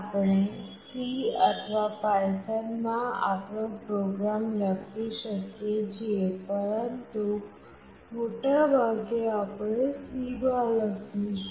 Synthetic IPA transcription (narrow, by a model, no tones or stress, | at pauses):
apɳetiət̪ʰʋapajsənmãa̰pɳõpɾoɡɾamlaɡt̪iʃəked͡ʒepəɾənt̪u | moʈabʱaɡeapɳesiɡaləɡiʃ